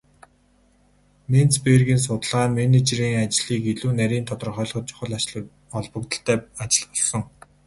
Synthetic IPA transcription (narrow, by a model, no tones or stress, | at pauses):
nent͡speːrɣiːns̬ʊt̪̆ɮʁaːmenet͡ɕriːŋat͡ɕɮiːkeɮuːnæɾʲiːnt̪ʰɔt̪ɞ̆rχœːɮχɞ̆t̪̚t͡ɕʰʊ̥χə̆ɮat͡ɕ | ɔɮpɞ̆k̚t̪ə̆ɬt̪æːat͡ɕɪ̆ɮpɔɮsɞ̆ŋ